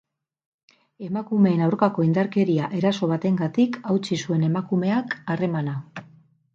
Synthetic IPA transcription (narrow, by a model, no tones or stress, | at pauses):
e̞makume̞ːnawɾkako̞ind̪aɾke̞ɾiaʔe̞ɾaso̞β̞at̪e̞ŋɡat̪ikawt͡ʃisue̞ne̞makume̞akare̞mana